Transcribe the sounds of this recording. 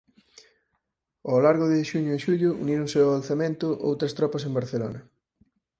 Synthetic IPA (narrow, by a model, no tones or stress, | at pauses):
awlaɾɣʊðɪʃuɲʊɪʃuʎʊṵniɾʊ̃ŋseoalθamẽnt̪ʊʔo̰wt̪ɾɐst̪ɾɔpɐsembaɾθelo̰nɐ